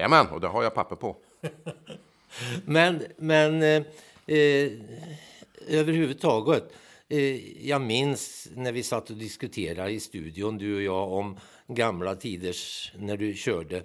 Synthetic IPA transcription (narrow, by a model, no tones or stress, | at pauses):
ɛ̰mɛnɔ̰d̪ɛ̰ɦaɾjaɪpʰapːəpʰɔ | mɛnmɛn | øːvəɾhʉːvəd̪t̪ʰɑːɡət̪ | jɑmɪnsnæɾʋɪsat̪ːɔd̪ɪskʉt̪ʰeːɾaɾɪst̪ʉ̰ːd̪ɪʊnd̪ʉɔjɑːɔm | ɡamlat̪ʰiːd̪əʂnæɖɵɕøːɖə